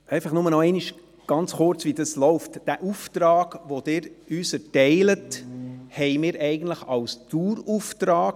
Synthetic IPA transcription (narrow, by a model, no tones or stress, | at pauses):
ɛɪfɑχnʊmənɔɛɪniʃ | ɡ̥ɑnt͡sχʊɾt͡sʋidəslɔʊftd̥æʔuftɾɑːɡ̥ʋod̥̪ɪːɾyːsɛɾtɛɪləthɛɪmɪːɾɛɪɡən̩tləχɑwstuːɾuftɾɑːɡ